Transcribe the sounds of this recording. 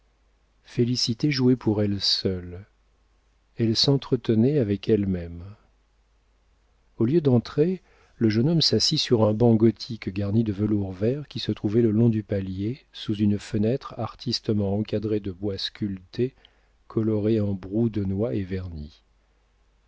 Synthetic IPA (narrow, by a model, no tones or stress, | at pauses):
felisit̪eʒuɛpʰuʁɛlsœl | ɛlsɑ̃t̪χət̪ənɛavɛkɛlmɛm | oljød̪ɑ̃t̪χe | ləʒənɔmsasisyʁɛ̃bɑ̃ɡɔt̪ʰikɡaʁnid̪əvəluʁvɛʁkʲisət̪χuvɛləlɔ̃d̪ypaljesuzynfənɛt̪χaʁt̪ʰist̪əmɑ̃ɑ̃kad̪ʁed̪əbwaskʲylt̪e | kʰɔlɔʁeɑ̃bʁud̪ənwaevɛʁni